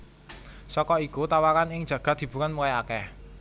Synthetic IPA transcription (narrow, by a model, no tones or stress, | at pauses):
sɔkɔikut̪awakanɪŋ̥ʒ̥ä̤ɡ̥a̤t̪d̪̥i̤b̥ṳkanmukajakɛ